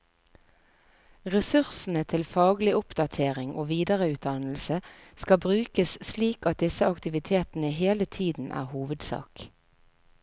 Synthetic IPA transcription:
ʁɛsʉʁsn̩ət̪ʰɪlfɑːɡlɪʔʊpd̪ɑt̪ʰeːʁɪŋʔoːʋiːd̪əʁəʉːt̪̚d̪ɑnl̩səskɑbʁʉːkəssliːkɑt̪̚d̪ɪsəɑkt̪ɪʋɪt̪ʰeːt̪n̩əɦeːlət̪ʰiːd̪n̩ʔæ̰ːʁhuːʋəd̪sɑ̰ːk

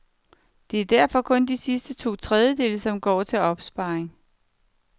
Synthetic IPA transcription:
d̥e̝æɐd̥æɐ̰fɒ̽kʰɔ̽nd̥isisd̥ət͡sʰo̝̰ːt͡sʰʁɛð̞ˠjəd̥e̝̰ːləsɒ̽mɡ̥ɒ̰ːt͡sʰe̝lɒ̽b̥sb̥ɑ̈eŋ

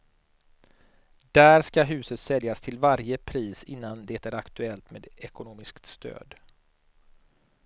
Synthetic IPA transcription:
d̪̥æːɾskaɦʉ̟ːsət̪sɛljast̪ʰɪlvaɾjəpʰɾiːsɪnːand̪ɛt̪æɾakt̪ɵɛlt̪meːd̪ɛkʊnoːmɪskt̪st̪ʰø̰ːd̪

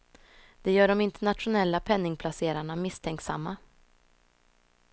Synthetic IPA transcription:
d̪̥ɛjœːɖɔmɪnt̪ɛɳat̪ɧʊnɛlːapʰɛnːɪŋpʰlaseːɾaɳamɪst̪ʰɛŋksa̰mːa

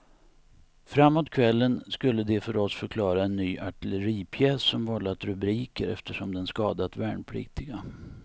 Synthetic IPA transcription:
fɾamːoːt̪kʰvɛlːənskɵlːəd̪ɛfœɾɔsfœɾkʰlɑːɾaɛnːyːʔaʈɪləɾiːpʰjɛːsːɔmvɔlːat̪ɾɵbɾiːkəɾɛ̰ft̪əʂɔmd̪ɛnskɑːd̪at̪væːɳpʰʊlḭːt̪ɪɡa

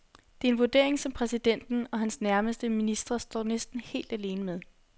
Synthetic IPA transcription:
d̥e̝ɐe̝nʋoɐd̥e̝̰ɐ̰e̝ŋsɒ̽mpʰʁɛsid̥en̰d̥n̩ɒ̽ɦænsnæɐməsd̥əminisd̥ʁɐsd̥ɒ̰ːnesd̥n̩he̝̰ːld̥æle̝ːnəmeð̞ˠ

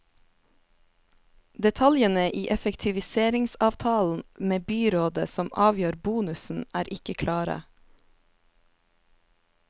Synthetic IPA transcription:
d̪ɛt̪ʰɑljənəʔiːʔɛfəkt̪ʰɪʋɪseːɾɪŋsɑːʋt̪ʰɑːln̩meːbyːɾoːd̪ə̰sɔmʔɑːʋjøːɾbuːnʉsn̩æːɾʔɪkəkʰlɑːɾə̰

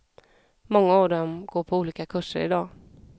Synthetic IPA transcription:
mɔŋːaːvd̪ɔmɡoːɾpʰɔuːliːkakʰɵʂə̰ɾɪ̰d̪ɑː

